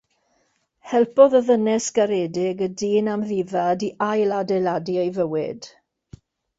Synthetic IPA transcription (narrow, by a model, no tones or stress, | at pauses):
hɛlˠpɔðəðənɛsɡ̥aɾɛːdɪɡədiːnamðiːvadiʔajladɛladiejvəwɪd̥